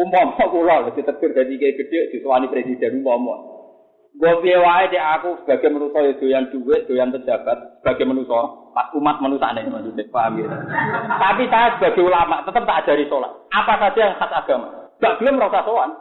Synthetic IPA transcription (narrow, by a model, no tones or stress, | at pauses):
umpɔmɔkulɔlɔd͡ʒ̥it̪əɡ̪̥ərd̪̥at̪̬ikeɡ̥ə̤ɖ̥eʔd̪̥ṳsowanipɾesid̥a̤numpɔmɔ̰ʔ | ɡɔpiewaet̪iakusə̥b̥a̤ɡ̥emənusɔjəd̪̥o̤jand̪̥uweʔʒ̥ojanp̪ə̥d͡ʒ̥a̤b̥a̤t̪̚sə̥b̥a̤ɡ̥e̤mənusɔpasumat̪̚mənusa̰nenmand͡ʒunepaamkit̪ət̪apisasəb̥a̤ɡ̥eulamaʔt̪ət̪əp̚t̪aʔdd͡ʒ̥a̤ɾisola̰t̪ʔapasḁd͡ʒ̥ijaŋhasaɡ̥ama̰ŋɡ̥aʔb̥ə̤ləmɾɔsasowan